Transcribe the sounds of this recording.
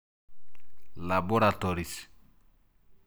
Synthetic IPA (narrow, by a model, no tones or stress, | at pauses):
laboɾatɔɾis